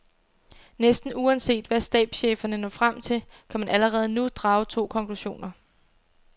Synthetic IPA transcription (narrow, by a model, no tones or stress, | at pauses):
nesd̥n̩uɒnse̝̰ːd̥ʋæsd̥ɛ̰ːd̥ɕeːfɐnənɒ̰fʁam̰t͡sʰe̝l | kʰæmænʔæləʁɛːð̞̩ˠnud̥ʁɑ̈ːʊt͡sʰo̝̰ːkʰɒ̽ŋkluɕo̝̰ːnɐ